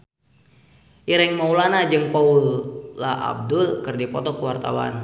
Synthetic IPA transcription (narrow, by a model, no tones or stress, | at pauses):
ʔiɾɛŋmaulanad͡ʒɨŋpaulːaʔa̰b̚dʊlkɨrdipɔt̪ɔkuwart̪a̰wa̰n